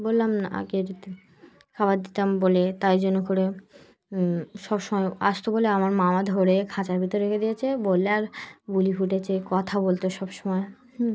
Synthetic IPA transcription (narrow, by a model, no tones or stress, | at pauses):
bolːamaa̰keɾ | kʰaβaɾd̪it̪ambolet̪ajd͡ʑonokoɾe | ʃɔbʃɔmɔea̰ʃt̪oboleamaɾmamad̪ʱoɾekʰat͡ɕaɾbʱit̪oɾeɾekʰed̪ijet͡ɕʰebolːeaɾbulifuʈet͡ɕʰekɔt̪ʰabolt̪oʃɔbʃomɔe